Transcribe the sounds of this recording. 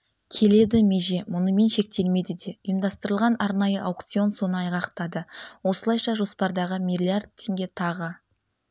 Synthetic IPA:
kʲʰe̞le̞d̪ɪme̞ʒe̞mʊnəme̞nʃe̞k̚t̪e̞lme̞d̪ɪd̪e̞ʊjəmd̪ɑst̪əɾəlˠʁɑnɑɾnɑjəʔawk̚t̪sio̞nso̞nəɑjʁɑqt̪ɑd̪əwo̞səlˠɑjʃɑʒo̞spɑɾd̪ɑʁəmʲijlʲijard̪̚t̪ʰːe̞ŋɡʲet̪ʰɑʁə

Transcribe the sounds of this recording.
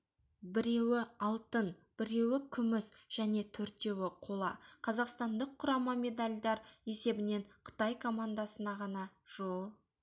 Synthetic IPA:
bɪɾe̞wɪɑlˠt̪ənb̥ɪɾe̞wɪkʲʰʏmɪsʒ̥æne̞t̪ʰɵɾt̪e̞wɪqʰo̞lˠɑ̰qʰɑzɑqst̪ɑnd̪əqʰːʊɾɑməme̞d̪alʲd̪ɑɾe̞se̞bɪne̞ɴqʰə̥t̪ɑjkʰo̞mand̪ɑsənɑʁɑnɑʒ̥olˠ

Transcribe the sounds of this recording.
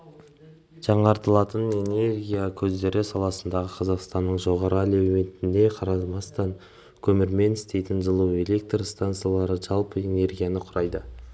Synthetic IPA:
ʒ̥ɑɴɑɾt̪əlˠɑt̪əne̞ne̞ɾɡʲijakʲʰɵzd̪e̞ɾɪsɑlˠɑsənd̪ɑʁəqʰɑzɑqst̪ɑnːəɴʒo̞ʁɑɾəælewmet̪ɪnd̪e̞qʰɑɾɑzmɑst̪ɑŋ | kʲʰɵmɪɾme̞nɪst̪e̞jt̪ɪnzəlˠuwe̞lʲe̞k̚t̪rst̪ant̪sɨjalˠɑɾəʒɑlˠpəe̞ne̞rɡʲijanəqʰʊɾɑjd̪ə

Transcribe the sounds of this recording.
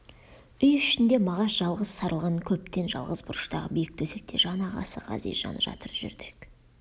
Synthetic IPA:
ʏjʏʃɪnd̪e̞mɑʁɑsʒɑlˠʁəz̥sɑɾʔəlˠʁɑnkʲʰɵp̚t̪e̞nʒɑ̰lˠʁəzbʊɾəʃt̪ɑʁə̰bijɪk̚t̪ʰɵse̞k̚t̪ʰe̞ʒɑnɑʁɑ̰sə̰ʁɑ̰zḭj̪ʒɑ̰nəʒɑ̰t̪əɾʒʏ̰ɾd̪ɪk

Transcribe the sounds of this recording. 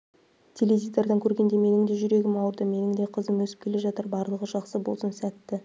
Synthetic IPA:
t̪ʲʰe̞levʲijzeɾd̪ɑŋkʲʰɵɾɡʲe̞nd̪e̞me̞nɪŋd̪e̞ʒʏɾe̞ɡʲɪmɑwəɾd̪əme̞nɪŋd̪e̞qʰəzəmwɵsɪp̚kʲʰe̞leʒɑt̪əɾbɑɾlˠəʁəʒɑqsəbo̞̰lˠsənsæt̪ːɪ

